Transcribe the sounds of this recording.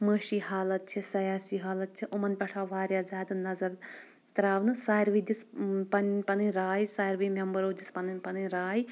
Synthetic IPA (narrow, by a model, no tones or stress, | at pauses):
məːʃiːhaːlɐt̪̚t͡ʃʰɐsɐjaːsiːɦaːlɐt̪̚t͡ʃʰiʔumɐnpʲɐʈʰaːʋaːɾjaːzʲaːd̪ɨnɐzɐɾ | t̪ɾaːʋnɨsaːɾʋid̪ispɐnpɐnɨnʲɾaːjsaːɾʋiːmʲɐmbɐɾoːd̪ispɐnɨnʲpɐnɨnɾaːji